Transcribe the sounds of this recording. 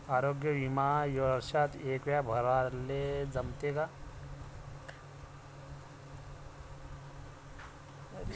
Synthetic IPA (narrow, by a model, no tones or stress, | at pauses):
aːɾoːɡjəʋimaːjoɾəɾʃat̪eːkʋjabʱɐɾʋaːled͡zɐmt̪eɡa